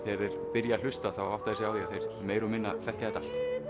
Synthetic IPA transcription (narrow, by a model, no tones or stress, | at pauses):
θɛɾɪɾ̥pɪɾjal̥ʏst̪aθawaawht̪aðɛsɪaːwðiaθejɾ̥meːjɾʏmɪnːa̰fɛhcaðɛt̪al̥t̪